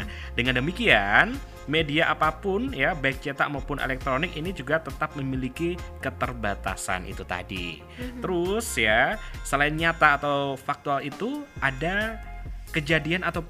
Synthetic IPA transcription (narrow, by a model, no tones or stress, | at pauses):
dəŋandəmikian | mediaʔapapʊnjabaɪk̚t͡ʃet̪a̰maupʊnʔḛlɛk̚t̪ɾonɪkinid͡ʒuɡat̪ət̪ap̚məmilikikət̪ərbat̪a̰sa̰nʔḭt̪ut̪a̰dḭ | t̪əɾʊsjasəlaɪnɲat̪aːt̪awfak̚t̪ualit̪uʔada | kəd͡ʒadianat̪aw